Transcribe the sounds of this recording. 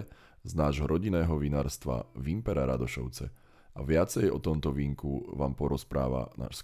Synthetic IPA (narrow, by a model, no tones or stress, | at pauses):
znaːʒɦɔɾʔɔɟinɛːɦɔʋinaːɾst̪ʋa̰ʋimpɛɾaɾad̪ɔʃɔ̰ʊt͡sɛ̰ | aʋɪat͡sɛjɔ̰t̪ɔmt̪ɔʋiːŋkuʋaːmpɔɾɔspɾaːʋa̰na̰ːʃs